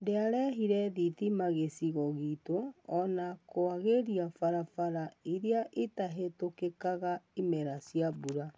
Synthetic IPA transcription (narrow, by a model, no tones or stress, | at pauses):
ndeaɾɛɦiɾɛðitimaɣesiɣɔɣitoɔnakoaɣeɾiafaɾafaɾaiɾeaʔetaɦetokekaɣaimɛɾasiabuɾa